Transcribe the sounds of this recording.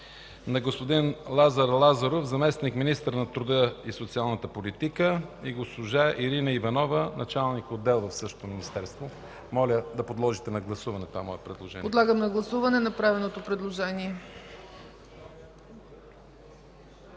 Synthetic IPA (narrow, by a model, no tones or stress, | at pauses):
nɐɡospod̪inlˠazɐɾlˠazɐɾofzɐmɛsnikminist̪əɾnɐt̪ɾʊd̪əisot̪sialˠnət̪əpolit̪ikəiɡosʊʒaʔiɾinɐivɐnɔvənʔɐt͡ʃalˠnikod̪ːɛlˠvɐfsɤʃt̪o̥t̪ominist̪ɛɾst̪vo | mɔlʲəd̪ɐpod̪lˠɔʒit̪ɛnɐɡlˠɐsuvɐnɛt̪oamɔjɛpɾɛd̪lˠoʒɛn̰pod̪lˠaɡəmnɐɡlˠɐsuvɐnɛnɐpɾavɛlnot̪opɾɛd̪lˠoʒɛniɛ